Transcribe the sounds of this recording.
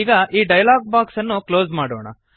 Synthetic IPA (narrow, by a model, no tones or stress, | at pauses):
iːɡɐʔiːɖɐjɐlaːɡ̚baːksɐnːukloːzmaːɽo̰ːɳɐ̰